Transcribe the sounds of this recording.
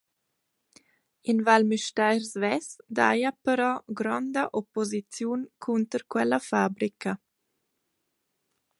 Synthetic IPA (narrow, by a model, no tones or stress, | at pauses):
invalmiʃtajɾzvɛsd̪a̰japəɾɔɡɾɔnd̪əʔopozit͡sjunkʰunt̪əɾkwɛlafabɾikə